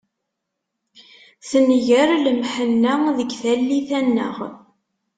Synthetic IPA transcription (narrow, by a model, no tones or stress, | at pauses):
θənʝəɾləmħənːəðəɡθælːiθænːə̰ʁ